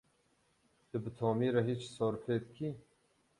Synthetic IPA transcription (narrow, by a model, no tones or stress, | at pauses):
t̪ɨbɨt̪ʰɔːmiːɾɐɦiːt͡ʃsɔːɾfeːt̪̚kʰiː